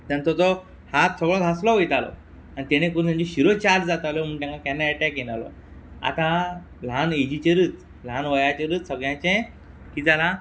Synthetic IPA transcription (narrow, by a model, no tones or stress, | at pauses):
t̪ənt̪ɔt̪ɔ | hat̪sɔɡɭɔd̪ʱaslɔʋəjt̪alɔ̰ | anit̪eɽ̃ekuɾ̃t̪ãd͡ʑiɕiɾot͡ɕaɾd͡ʑd͡zat̪alɔm̤əɳt̪jãŋkakɛnːaɛʈɛkjenalɔ̰ | a̰t̪ã | l̤aned͡ʑit͡ɕeɾɨːt͡s | lanʋəjat͡ɕeɾːt͡ssəɡɭjãt͡ɕẽ | kiːd͡zala